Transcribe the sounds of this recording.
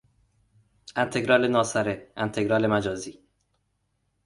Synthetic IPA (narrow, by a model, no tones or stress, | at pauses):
ænt̪ʰe̞ɡɾɒːlenɒːsæɾeænt̪ʰeɡɾɒːle̞mæd͡ʒɒːziː